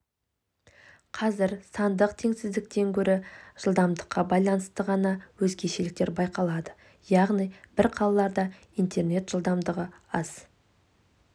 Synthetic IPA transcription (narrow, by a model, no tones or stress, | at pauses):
qʰɑzɪɾsɑnd̪əqt̪ʰe̞ŋsɪzd̪ɪk̚t̪e̞ŋkʲʰɵɾɪʒ̥əlˠd̪ɑmd̪əqːɑbɑjlˠɑnəst̪əʁɑnɑwɵzɡʲe̞ʃelɪk̚t̪e̞ɾbɑjqɑlˠɑd̪ə | jɑʁnijbɪɾqʰɑlˠɑlˠɑɾd̪ɑ | ijnt̪ʰe̞rne̞t̪ʒ̥əlˠd̪ɑmd̪əʁəɑz̥